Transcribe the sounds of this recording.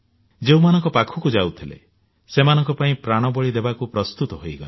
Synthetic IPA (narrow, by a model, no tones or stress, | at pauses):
d͡ʒeumanɔŋkɔpakʰukud͡ʒawt̪ʰilḛ | semanɔŋkɔpaĩpɾaɽ̃ɔbɔɭid̪ebakupɾɔst̪ut̪ɔɦojɡa̰le